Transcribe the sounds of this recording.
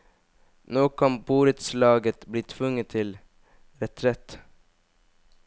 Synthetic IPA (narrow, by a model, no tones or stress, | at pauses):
noːkʰɑnbuːɾət̪slɑːɡət̪bliːt̪ʰʋʉŋːət̪ʰɪl | ɾɛt̪ʰɾɛt̪